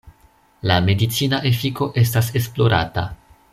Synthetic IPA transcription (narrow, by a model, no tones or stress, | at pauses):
lame̞dit͡sinaʔe̞fiko̞ʔe̞s̬tase̞splo̞ɾa̰ta̰